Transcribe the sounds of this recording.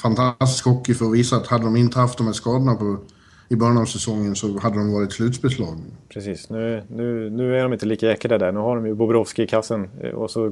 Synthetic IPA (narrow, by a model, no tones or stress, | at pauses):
fant̪ʰast̪ɪ̥skhɔkːɪfœɾɔviːsaːt̪had̪ːəd̪ɔmɪnt̪əhaft̪d̪ɔmhæːʂkɑːd̪ənapʰɔ | ɪbœɾjanɑːvsɛsɔŋːənsɔhad̪ːəd̪ɔmvɑːɾɪt̪slʉ̟ːt̪sbɛslɑːɡpʰɾɛsiːsnʉ̟ːnʉ̟ːnʉ̟ːæɖɔmɪnt̪əliːkaɛkːaɖ̪əd̪æɳʉ̟ːhaɖɔmjɵbʊbɾɔfskɪkʰasːənɔ̰sɔ